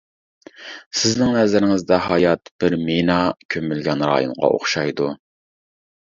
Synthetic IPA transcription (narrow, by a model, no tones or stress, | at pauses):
sɪznɪŋnɛzɪɾɪŋɪzd̪ɛɦɑjɑt̪b̥ɪɾmenɑkʲʰømylɡʲɛnɾɑ̰ːjṵŋʁɑ̰ʔo̰χʃɑjd̪u